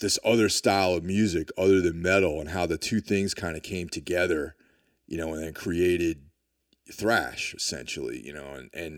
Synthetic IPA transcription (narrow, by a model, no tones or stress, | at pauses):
ðɪsʌðə˞staɪlˠʌvmjʉzɨkʰʌðə˞ðɨ̃nmɛɾl̩ˠə̃nɦaʊðɨtʰʉθɪ̃ŋz̥kʰãɪ̃ndɨkʰẽɪ̃mtʰɨɡɛðə˞ | jɨnoʊə̃nðɨ̃nkʰɹ̥ieɪɾɪd̚ | θɹæ̰ʃɨsɛ̰̃nʃl̩ˠḭjɨ̰noʊɨ̃nʔɨ̃n